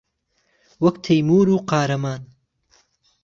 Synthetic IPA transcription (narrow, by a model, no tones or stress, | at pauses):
wɐkt̪ʰɐjmuːɾuːqɑːɾɐmaːn